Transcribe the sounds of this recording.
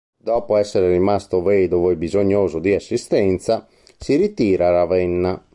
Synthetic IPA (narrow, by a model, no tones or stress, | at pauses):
d̪ɔːpoɛsːɛɾɛrimast̪ovɛːd̪ovoɛbizoɲːoːzod̪iasːist̪ɛnt̪sa | siɾit̪iːɾaɾavɛnːa